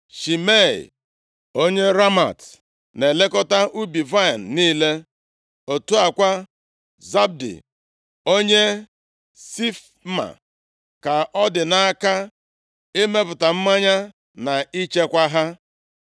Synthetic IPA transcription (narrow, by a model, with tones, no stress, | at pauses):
ʃi˨me˦˨l̰ | o˦ɲe˦ɾa˦ma̰˨t | ne˨le˦kɔ˦ta˦ʔu˦bi˨va˦˨n̩˨niː˦le˦ | o˨tu˦a˨kʷa˦ | za˦b̚dḭ˨ | o˦ɲe˦ | si˦f | ma̰˨ | ka˨ʔɔ˦dɪ˨na˦a˦ka˦ | e˦me˦pʊ˨ta˨m̩˦ma˦ɲa˦ | na˨i˦t͡ʃe˦kʷa˦ɦa˦